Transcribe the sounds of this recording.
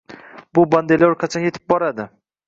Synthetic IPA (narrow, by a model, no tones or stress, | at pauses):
bʊband̪eloɾkʰat͡ʃʰɒnje̞t̪ʰɪ̥p̚bɒɾad̪ɪ